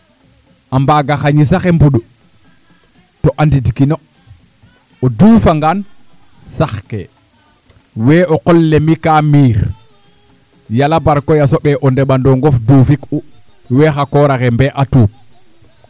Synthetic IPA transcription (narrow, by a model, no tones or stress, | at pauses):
ʔambaɡaxaɲisaxembuɗu | tɔʔandidikino | odufaŋɡan | saxkḛ | wɛːʔɔqɔlːemikamiːɾ | jalabaɾkɔjasoɓɛʔɔndɛɓandɔŋɡɔfduːfiku | wɛːxakɔɾaxɛmbɛʔatuːp̚